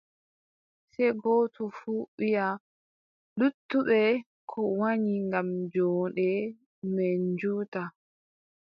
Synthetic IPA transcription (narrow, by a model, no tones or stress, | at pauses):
sɛɡɔːtʰɔfuːɓija | ɗutːuɓɛ | kʰɔwaɲiŋɡamd͡ʒɔːɗɛ | meɲd͡ʒuːta